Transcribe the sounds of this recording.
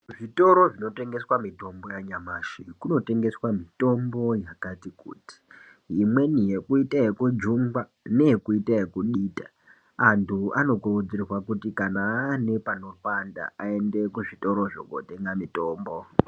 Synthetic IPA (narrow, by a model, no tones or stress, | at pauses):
ʐito̞ɾo̞ʐino̞te̞ŋɡe̞swamito̞mbo̞jaɲamaːʃikuno̞te̞ŋɡe̞swamito̞mbo̞jakatikṵːti̥ | imwe̞nijekuitaekud͡ʒumba | ne̞jekuitaekuɗiːta | antʰuano̞ɡʱorud͡zirwakutikanane̞pano̞ɸanda̰ae̞nde̞kuʐito̞ɾo̞ʐo̰ɡo̰te̞ŋɡamito̞ːmbo